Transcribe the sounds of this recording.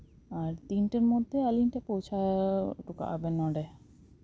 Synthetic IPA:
aɾt̪inʈaɾmod̪ʱːealinʈapowt͡ɕʰaʈuka̰ʔa̰benɔɖe

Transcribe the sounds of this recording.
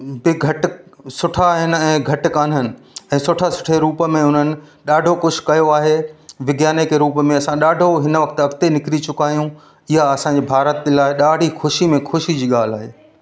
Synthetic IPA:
bɪɡʱɐʈsʊʈʰaɦɪnɛ̃ːɡʱɐʈkaːnɦənɪ̆ɛ̃ːsʊʈʰasʊ̥ʈʰeɾuːpmẽʊn̤ənɪ̆ɗaːɖʱokʊʃ̆ʰkɐjoaːɦeʋɪɡjaːnekeɾuːpmẽɐsãɗaːɖʱoɦɪnəʋɐk̚t̪ɐɡt̪enɪkɾit͡ɕʊkaːɦjũ | ɪɦaɐsãɲd͡ʑiːbʱaːɾət̪laːɪɗaːɽʱixʊʃimẽxʊʃid͡ʑiːɠaːl̤aːɦeː

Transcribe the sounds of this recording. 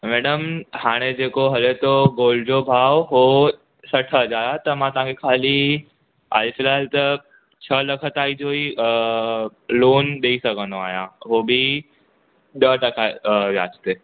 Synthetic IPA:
mɛːɖəmhaːɽ̃ed͡ʑeːkoɦɐlet̪oɡoːlɖd͡ʑobʱaːʋɦo | sɐʈʰəɦɐd͡ʑaːɾat̪ɐmãt̪ɐɦãŋkʰekʰaːli | a̰ːlfɪlaːlt̪ɐ | t͡ɕʰəlɐkʰət̪aːid͡ʑoːi | loːnɗeisɐɡʱə̃nd̪oa̰ːɦijã̰ɦobʱi | ɗ̪əʈɐkaʋja̰ːt͡ʃt̪eː

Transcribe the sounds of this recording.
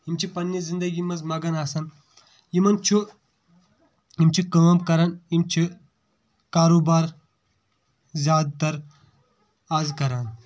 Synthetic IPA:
ɦimt͡ʃʰipɐnːizind̪ɐɡimɐzmɐɡɐnaːsɐn | jimɐnt͡ʃʰu | imt͡ʃʰikɐʋɐmkɐɾanimt͡ʃʰi | kaːɾoːbaːɾ | zʲjaːd̪̚t̪ɐɾ | aːzkɐɾaːn

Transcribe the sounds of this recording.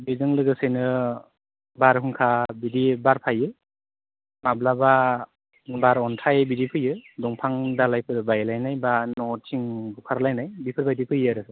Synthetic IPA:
bɯzɯŋlɯɡɯsɯjnɯ | baɾɦɯŋkʰabidibaɾpʰajɯ | mablaba | baɾɔntʰajbidipʰɯjɯdɔŋpʰaŋdalajpʰɯɾbajlajnajbanɔtʰiŋbukʰaɾlajnajbipʰɯɾbajdipʰɯjaɾɯɯ

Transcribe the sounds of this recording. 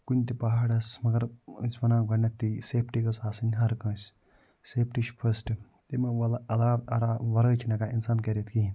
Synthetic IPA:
kunʲt̪ipɐɦaːɽɐsmɐɡɐɾ̰sʲʋɐnãːɡɐnːɐt̪ːiseːpʰʈikɐsaːsɐnʲɦɐɾkɐ̃ːsʲ | seːpʰʈiʃpʰɐsʈɨ | t̪imɐɐlɐlɾaːb̪ɐɾaːʋɐɾəːt͡ʃʰinɐkaːinsaːnkeɾet̪ʰki

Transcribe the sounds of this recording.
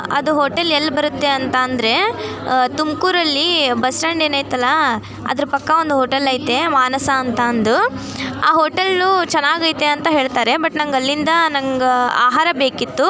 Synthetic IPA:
ɐ̰d̪uɦoːʈelelːɐbɐɾut̪ːeɐnt̪ɐːnd̪ɐɾe̞ | t̪umkuːɾɐlːibɐsʈɐɳɖeːnaːjt̪ɐlːɐ | ɐ̰d̪ɐɾupɐkːɐond̪uɦoːʈɐlɐjt̪e̞maːnɐsɐːnt̪ɐːnd̪u | a̰ːɦoːʈɐlːut͡ʃɛnːaːɡɐjt̪eɐnt̪ɐɦe̞ːɭt̪aːɾe̞bɐʈnɐŋɡɐlːind̪ɐnɐŋɡɐa̰ːɦaːɾɐbeːkit̪ːu

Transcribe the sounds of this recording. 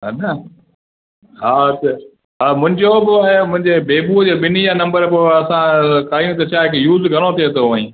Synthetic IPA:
ɦanɐ | ɦaːtɐ | ɦamʊ̃ɦɪ̃ɲd͡ʑobɪaɦemʊ̃ɦɪ̃ɲd͡ʑebeːbud͡ʑeːɓɪnijãːnɐ̃mbəɾpoɐsãkaːijũt̪̬ɐt͡ɕʰaːɦekejuːzɡʱɐɽ̃ot̪ʰiet̪ʰoaːĩː

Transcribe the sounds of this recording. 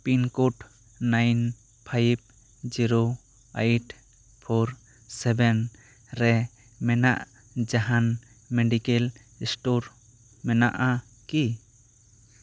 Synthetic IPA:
pinkuʈ | najn | pʰajb̚ | d͡ʒiɾo | ajʈ | pʰoɾ | sɛbɛn | ɾɛ | mɛna̰ʔ | d͡ʒaɦan | meɖikɛl | isʈoɾ | mɛna̰ʔa | ki

